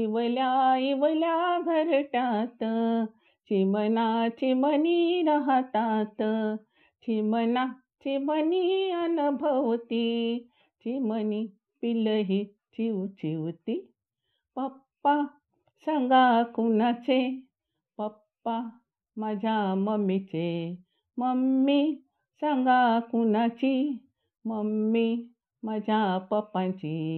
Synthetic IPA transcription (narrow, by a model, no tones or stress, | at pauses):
iʋəljaiʋəljabʱəɾʈat̪ | t͡ɕimənat͡ɕiməniɾaɦət̪at̪ | t͡ɕiməna | t͡ɕiməniənubʱəʋt̪i | t͡ɕiməni | piləɦi | t͡ɕiʋt͡ɕiʋt̪i | pəpːa | saŋɡakunãt͡se | pəpːa | mad͡ʑʱjaməmit͡se | məmːi | saŋɡakunat͡ɕi | məmːi | mad͡ʑʱjapəpãt͡ɕi